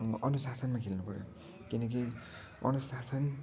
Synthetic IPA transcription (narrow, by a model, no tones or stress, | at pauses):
ʌnusasʌnmakʰelnupʌɾjo̰ | kinʌk̬i | ʌ̰nusasʌn